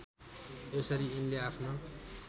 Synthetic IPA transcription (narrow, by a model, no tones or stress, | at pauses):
esʌɾiinleapʰnʌ